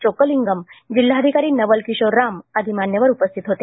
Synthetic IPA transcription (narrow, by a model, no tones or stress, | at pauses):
t͡ɕokəliŋɡəmd͡ʑilːaəd̪ʱikaɾiːnəʋəlkiɕoɾːaməd̪ʱimaɳjəʋəɾupəst̪ʰit̪ɦot̪e